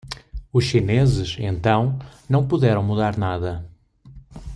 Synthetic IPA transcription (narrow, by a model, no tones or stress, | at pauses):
uʃʃinezɪʃḛ̃nt̪ɐ̃w̃nɐ̃w̃puðɛɾɐ̃w̃muðaɾnaðɐ